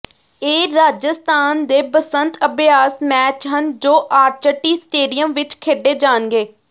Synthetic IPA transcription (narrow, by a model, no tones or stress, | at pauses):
eːɾaːd͡ʒəst̪aːnd̪eːpəsənt̪əbjaːsmɛːt͡ʃɦənd͡ʒoːʔaːɾt͡ʃəʈːiːsʈeːɖijəmʋɪt͡ʃkʰeːɖeːd͡ʒaːnɡeː